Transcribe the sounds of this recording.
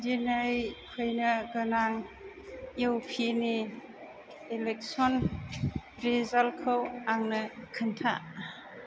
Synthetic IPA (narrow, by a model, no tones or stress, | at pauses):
dinajkʰɯjnɯɡɯnaŋ | jewpʰini | lek̚sɔn | ɾezalkʰɯwaŋnɯkʰɯntʰa̰